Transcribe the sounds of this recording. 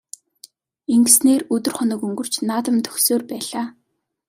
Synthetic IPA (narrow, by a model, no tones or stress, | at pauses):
iŋɡɘ̆sneːrɵt̪ɵ̆rχɔnɞ̆kɵŋɡɵ̆r̥t͡ɕnaːt̪ə̆mt̪ʰɵ̥xsoːrpæːɮaː